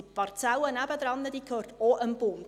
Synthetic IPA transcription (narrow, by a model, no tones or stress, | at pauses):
itpɑrt͡sæwənæbəd̪ɾɑnːəd̪iːkʰhøːrtoʔənb̥ʊm